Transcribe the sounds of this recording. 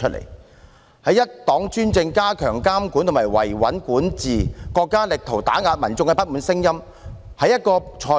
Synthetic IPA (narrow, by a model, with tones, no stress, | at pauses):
ɵ˥t̚lḛ˨˩j | hɐ˨˥jɐ˥t̚t̪ɔː˨˥ŋt͡ʃyː˥nt͡sɪ˧ŋkaː˥kʰœː˨˩ŋkaː˥mkuː˨˥nt̪ʰʊ˨˩maː˨˩jwɐ̰˨˩jwɐ̰˨˥nkuː˨˥nt͡siː˨˩kɔː˧kːaː˥lɪ˨k̚t̪ʰo˨˩wt̪aː˨˥ŋaː˧t̚mɐ˨˩nt͡sʊ˧ŋkɛ˧pɐ˥t̚muː˨˥nsɪ˥ŋjɐ˥m | hɐ˨˧jɐ˥t̚kɔː˧t͡ʃʰɔː˨˧